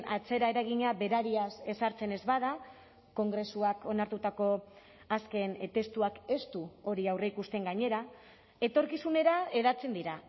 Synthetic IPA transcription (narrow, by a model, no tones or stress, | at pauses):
at͡se̞ɾae̞ɾaɣ̞iɲaβe̞ɾaɾiase̞saɾt͡se̞ne̞zβaða | ko̞ŋɡɾe̞suako̞naɾt̪ut̪ako̞ | aske̞nt̪e̞st̪uake̞st̪uo̞ɾiawre̞ikust̪e̞ŋɡaɲe̞ɾa | e̞t̪o̞ɾkisune̞ɾae̞ðat͡se̞nd̪iɾa